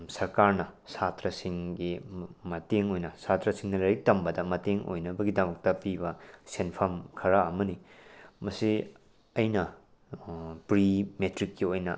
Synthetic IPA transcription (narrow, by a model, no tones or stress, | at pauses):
sɐɾkaɾnɐsatɾɐsiŋɡimɐteŋojnɐsatɾɐsiŋnɐlɐɾik̚tɐmbɐdɐmɐteŋʔo̰jnɐbɐɡidɐmɐk̚tɐpibɐsenpʰɐmkʰɐɾɐɐmɐnimɐsi | ɐjnɐ | pɾimetɾikːiojnɐ